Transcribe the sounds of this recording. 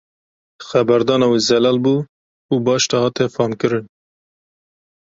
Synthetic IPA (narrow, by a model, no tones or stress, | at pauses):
xɛbɛɾd̪ɑːnɑweːzɛlɑːlbuː | uːbɑːʃt̪ɑhɑːt̪ʰɛfɑːmkɨɾɨn